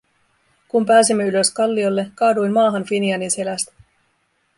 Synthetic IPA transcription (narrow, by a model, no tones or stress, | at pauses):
kumpæːsimːe̞ylø̞skɑlːiolːe̞kɑːdujnmɑːɦɑnfiniɑnise̞læst̪